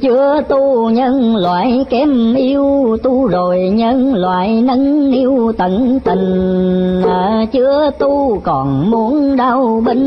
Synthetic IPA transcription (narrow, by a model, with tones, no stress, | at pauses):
t͡ɕɨ˧˦ət̪u˧ɲə˧nlwa̰ː˧˨jkɛ˧˥mʔi˧əwt̪u˧zo˨˩jɲə˧nlwa̰ː˧˨jnə˧˥nʔi˧wt̪ə˧˩nt̪ï˨˩ŋ̟ʔəː˧˩t͡ɕɨ˧ət̪u˧kɔ˨˩nmu˨˦ənɗa˧wɓə˧˦n